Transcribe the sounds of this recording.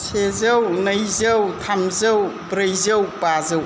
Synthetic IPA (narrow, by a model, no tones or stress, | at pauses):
sʰezəwnəjzəwtʰamzəwbɾəjzəwpazəw